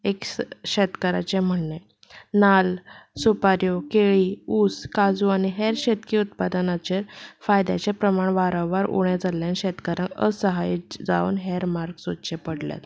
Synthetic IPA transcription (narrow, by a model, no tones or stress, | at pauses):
ekɕet̪kəɾa̰t͡ɕẽm̤əɳːe | nalsupaɾjokeɭiːuːskad͡zuañiɦɛɾɕet̪kiut̪̚pad̪ənat͡ɕeɾfajd̪ja̰t͡ɕepɾəmaɳʋaɾə̃wʋaɾṵɽad͡zaljãnɕet̪kəɾãŋə̰səɦajd͡za̰ṵːnɦeɾmaɾɡsot̪ɕepəɽlja̰t̪